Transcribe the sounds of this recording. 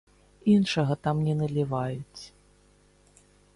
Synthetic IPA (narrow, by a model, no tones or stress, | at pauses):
inʂɐɣɐt̪amnʲɛnɐlʲivajut͡sʲ